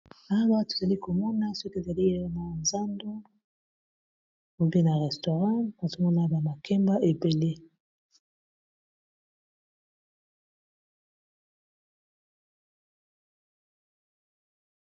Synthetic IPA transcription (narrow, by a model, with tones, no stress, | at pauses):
a˦wa˦to˨za˨li˦ko˨mɔ˦na˦so˦ki˦e˨za˨li˦a˦jna˨nza˦ndo˦ | mo˨be˦na˨ʁɛ˨sto˨ʁɑ̃˦ba˨zo˦mɔ˦na˦ba˨ma˨kɛ˦mba˦ʔe˨be˨le˦